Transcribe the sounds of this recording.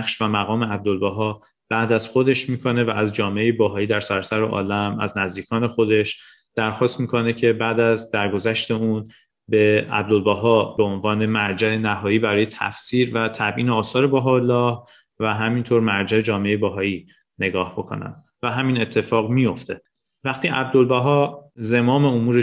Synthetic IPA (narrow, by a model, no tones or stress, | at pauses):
xʃvæmæɣɒːmeæb̚d̪olbɒɦɒː | b̥æʔd̪æz̥xo̞d̪e̞ʃmiːkʰo̞ne̞vææzd͡ʒɒːmeejebɒɦɒːiːd̪æɾsæɾɒsæɾeʔɒ̰ːlæmæ̰znæzd̪iːkʰɒːne̞xo̞d̪e̞ʃ | d̪̥æɾxɒːst̪miːkʰo̞ne̞cʰe̞bæːd̪æzd̪æɾɡo̞zæʃt̪e̞uːn | be̞æ̰b̚d̪olbɒɦɒːbeo̞nvɒːne̞mæɾd͡ʒæenæɦɒːiːbæɾɒːje̞t̪ʰæ̰fsiːɾvæt̪ʰæbʔiːneɒːsɒːɾe̞bɒɦɒːlːɒːh | væɦæmint̪ʰoɾmæɾd͡ʒæed͡ʒɒːmeejebɒɦɒːiː | ne̞ɡɒːhb̥o̞kʰo̞̰næ̰nd̪̥ | væɦæmiːne̞t̪ʰːe̞fɒːɣmijo̞ft̪ʰe̞ | væxt̪ʰiːʔæb̚d̪olbæɦɒːzemɒːme̞omuːɾe